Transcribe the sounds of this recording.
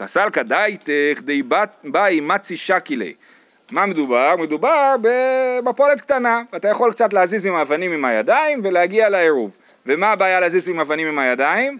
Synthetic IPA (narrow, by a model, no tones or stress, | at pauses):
asalkad̪ajt̪ekd̪ejbabaimat͡siʃakilḛ | mamed̪ubaʁme̞d̪ubaʁbemapo̞let̪k̚t̪anaat̪ajaχo̞lkt͡sat̪leazizimavanimimhaja̰d̪aimve̞leaɡialaeʁuv | vemaːbaːjaleazizimavanimimhajadaim